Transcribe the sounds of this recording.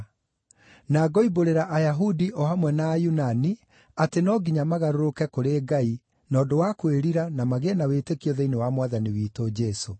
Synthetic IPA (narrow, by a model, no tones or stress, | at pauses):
naɡɔiboɾeɾaʔajaɦudiʔɔhamwɛnaːjunani | atenɔɡiɲamaɣaɾoɾokɛkoɾeːɡai | nɔːdowakweɾiɾanamaɣenawetekiɔðɛinewamwaðaniwiːtod͡ʒɛso